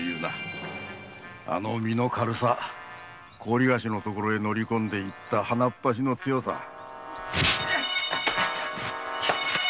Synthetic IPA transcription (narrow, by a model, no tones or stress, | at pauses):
jɯːna̰ | a̰no̞̰mʲino̞kʰaɾɯ̟sa | kʰo̞ːɾʲiɡaɕino̞t̪o̞koɾo̞e̞no̞ɾʲikõ̞nd̪e̞it̪ːahanapːaɕ̬ino̞t͡sɨjo̞sa̰